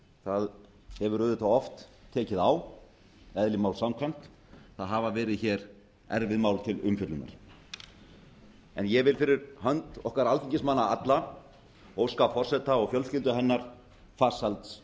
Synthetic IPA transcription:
θað | hɛvʏɾʏðʏt̪ʰaɔft̪ʰːɛːcɪðaw | ɛðlɪmawlsamkʰvɛjm̥t̪ | θaðɦavavɛːɾɪðçɛːɾ | ɛ̰ɾvɪðmaːwlt̪ʰɪlʏmfʏt̪lʏnːa̰ɾ̥ | ɛ̰njɛvɪlfɪɾɪɾɦœnt̪ɔhkaɾalt̪iɲcɪsmanːaat̪la | owskafɔr̥sɛt̪aɔɣfjœlscɪlt̪ʏɦɛnːaɾ̥ | fḁːsalt̪s

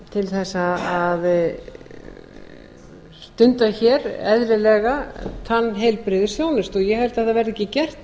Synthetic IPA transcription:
t̪ʰɪlθɛsːaað | st̪ʏnt̪açɛɾɛðɾɪlɛɣat̪ʰanːɦejlpɾɪðɪsjoːwnɪst̪ɔjɛhɛlt̪θɛθavɛːɾðɛhcːɪcɛr̥t̪

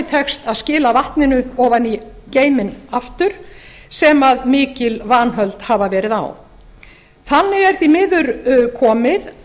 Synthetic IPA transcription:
ɪt̪ʰɛxst̪aðscɪːlavaht̪nɪnʏɔːvaniceːjmɪnaft̪ʏɾ̥ | sɛmaðmɪːcɪlvaːnɦœlt̪haːvavɛːɾɪða̰w | θanːɪɣɛɾ̥θimɪːðʏɾkʰɔːmɪð

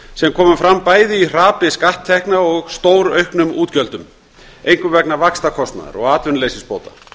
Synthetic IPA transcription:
sɛmkʰɔːmʏmfɾamːpaːjðɪir̥aːpɪskaht̪ʰːɛhknaɔɣst̪oːwɾœɥhknʏmuːt̪cœlt̪ʏm | ejŋkʏvɛknavakst̪akʰɔst̪na̰ð̰ɾɔ̰ɣaːt̪vʏnleːjsɪnspoːwt̪ḁ̰

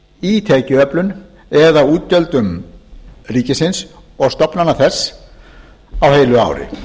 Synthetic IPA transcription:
it̪ʰɛːcʏœplʏn | ɛðauːt̪̚cœlt̪ʏm | riːcɪsɪns | ɔɣst̪ɔpnanːaθɛsː | awheːjlʏa̰ːwɾɪ̰

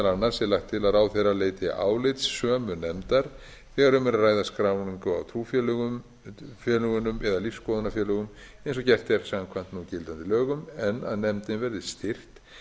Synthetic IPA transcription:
alɾanːaɾsɛlaxt̪ʰːɪlaðaːwθejraleːjt̪ʰɪʔa̰ːwlɪt̪sːœːmʏnɛmt̪aɾ̥ | θθɛːɣaɾʏmɛɾarːaːjðaskɾaːwniŋkʏa̰wt̪ʰɾuːfjɛlʏɣʏm | fjœːlʏɣʏnʏmɛðalifskɔðʏnafjɛːlœɣʏm | ẽjnsɔcɛr̥t̪ɛɾ̥ksamkʰvajn̥t̪nucɪlt̪ant̪ɪlœːɣʏmɛnːa̰ðnɛmt̪ɪnvɛɾðɪst̪ɪr̥t̪

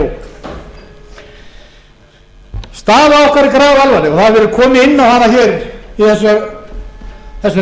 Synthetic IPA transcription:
k | st̪aːvaɔhkvaɾikɾaːɣalvalɪɔθaðvɛːɾʏɾkʰɔːmɪɪnːawhanːaçɛːɾiθɛs̬ːœ | θɛsːa

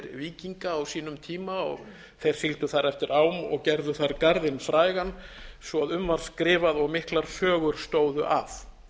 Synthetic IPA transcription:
ɾviːciŋkaːwsiːnʏmt̪ʰiːmaɔ̰ɣ | θejɾ̥θilt̪ʏθaɾɛft̪ɪɾaːwmɔ̰ɣcɛɾðʏθaɾkaɾðɪnfɾaːjɣanːsvɔaðʏmvaɾ̥skɾɪːvaðɔɣmɪhklaɾ̥sœːɣʏɾ̥st̪oːwðʏ̰ʔaf

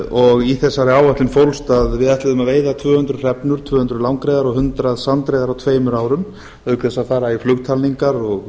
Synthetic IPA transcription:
ɔɣiθɛsːaɾɪaːwvaht̪lɪnfowlst̪aðvɪðɛht̪lɪðʏmaðveːjðat̪ʰvœːhʏnt̪ɾʏr̥ɛpnʏɾ̥t̪ʰvœːhʏnt̪ɾʏlawŋkɾejðaɾɔɣhʏnt̪ɾaðsant̪ɾejðaɾawt̪ʰveːjmʏɾaːwɾʏm | œkɾɛsːaðfaːɾaiflʏkt̪ʰalniŋkaɾɔɣ

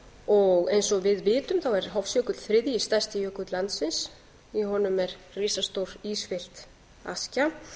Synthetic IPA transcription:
ɔɣejnsɔvɪðvɪːt̪ʏmθawɛɾ̥ɦɔfsjœːkʏt̪l̥θɾɪðjist̪ḁst̪ɪjœːkʏt̪lant̪sɪns | iɦɔnʏmɛɾ | riːsast̪owɾ̥isfɪl̥t̪ | a̰sca

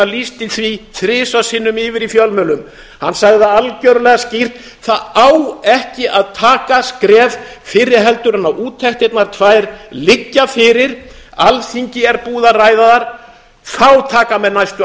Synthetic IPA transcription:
alist̪ɪθviθɾɪːsasɪnːʏmɪːvɪɾifjœlmœlʏm | hanːsaɣðaalcœɾʏlɛɣascir̥t̪ | θaðawɛhcɪʔaðt̪ʰaːkaskɾɛːvfɪɾɪɾ̥ɦɛlt̪ʏɾanːaʔuːt̪ʰːɛht̪ɪt̪naɾt̪ʰvaːjɾlɪcːafɪːɾɪɾ̥alθiɲcɪɛɾpuːðaraːjðaðaɾ̥ | θawt̪ʰaːkamɛðnajst̪

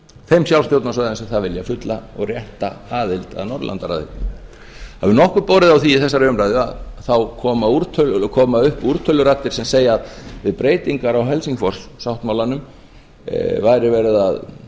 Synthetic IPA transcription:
fejmsjawlst̪jowt̪nasvajðansɛθaðvɪljafʏt̪laɔ̰ɣrjɛht̪a̰aːðɪlt̪a̰ðnɔɾlʔa̰nt̪aɾa̰ðɪ̰ | ha̰vɪnɔhkʏɾpoːwɾɪðawθiɪθɛsːaɾœːmɾajðʏa̰ðθawkʰɔːmauɾt̪ʰœlkʰɔːmaʏhpuɾ̥t̪ʰœlːʏɾat̪ːɪɾ̥sɛmseːjaːðvɪðpɾeːjt̪iŋkaɾawɦɛlsiŋkfɔr̥ssawht̪mawlanʏm | vajɾɪvɛːɾɪða̰ð

